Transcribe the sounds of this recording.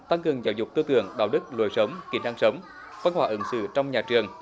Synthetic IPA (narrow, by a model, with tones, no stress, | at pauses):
t̪a˧ŋkɨ˨˩əŋzaː˨˩wzʊ˨˩k͡p̚t̪ɨ˧t̪ɨ̰˧˩əŋɗa̰ː˧˩wɗɨ˦˥k̚lo̰˧˨˦jsə˨˦wŋ͡mki˨˧˩ənʔa˧ŋsə˨˦wŋ͡m | va˧nhɦwaː˧˩ʔɨ˨˦ŋsɨ̰˧˩t͡ɕɔ˧wŋ͡mɲaː˨˩t͡ɕɨ˨˩əŋ